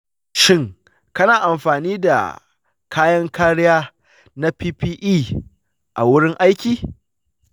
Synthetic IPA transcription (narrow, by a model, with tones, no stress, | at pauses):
ʃɪ˦˨ŋ | kɐ˦naː˨ʔa˨mɸaː˨niː˦da̰˨ | kʰaː˦jɐ˦ŋkaː˦ɽɪ˦jaː˦ | na˦piː˦piː˦ʔiː˦˨ | ʔa˨wʊ˦ɽɪ˦ŋʔa˦jkʲiː˨